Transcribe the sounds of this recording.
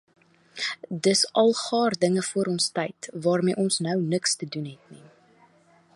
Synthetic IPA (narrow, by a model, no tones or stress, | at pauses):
dəsɐlˠχɑːrdəŋəfuəɾɔnstɐjtvɑːrmḭːʔɔnsnœwnəkstədunɦɛtni